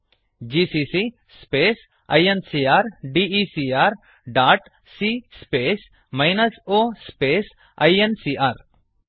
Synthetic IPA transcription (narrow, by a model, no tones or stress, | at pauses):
d͡ʒiːsisi | speːs | ɐ̰jensiːaːɾɖiisiaɾ | ɖaːʈ | siːspeːs | maɪnɐsoːspeːs | ɐ̰jensiːʔaːɾ